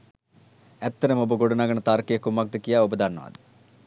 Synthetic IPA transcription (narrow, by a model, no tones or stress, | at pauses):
ɛt̪ːɐɾɐmobɐɡoɖɐnaːɡɐɳɐt̪aːɾkejɐkumːaɡ̚d̪əkijaːubɐd̪anːɐʋɐ̰d̪ɨ